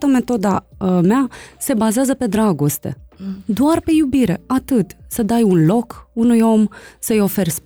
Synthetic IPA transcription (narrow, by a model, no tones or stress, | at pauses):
t̪əme̞t̪o̞d̪amease̞bazeazəpe̞d̪ɾaɡo̞st̪e̞̰d̪oarpe̞jubiɾe̞at̪ɨt̪səd̪ajunlo̞kunujo̞msəjo̞fe̞rʲs